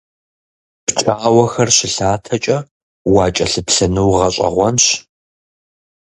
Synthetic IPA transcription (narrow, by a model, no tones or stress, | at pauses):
pt͡ʃʼaːwɐxɐrɕɪɬaːtʰɐt͡ʃʼɐ | wɑːt͡ʃʼɐɬɨpɬɐnɨwʁɐɕʼɐ̰ʁʷɔnɕ